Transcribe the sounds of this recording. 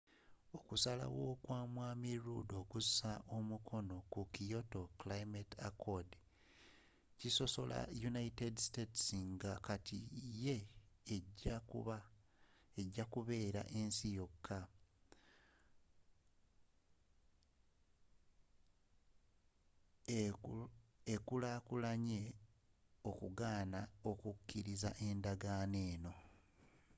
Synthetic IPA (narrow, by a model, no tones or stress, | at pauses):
o̞kusala̰wo̞ːkwaːmwaːmiɾṵdo̞ːkusaʔo̞mukʰo̞no̞kukijo̞to̞klaimetakʰod | ciso̞so̞lʔa̰junaitedsteti̥siŋɡakatije̞ːɟːakṵβa | e̞ɟːakuβe̞ːɾa̰ʔe̞nsijo̞kʰːa | ekulaːkulaɲe̞ | o̞kuɡaːnao̞kukʰːiɾizaʔe̞ndaɡaːne̞ːno̞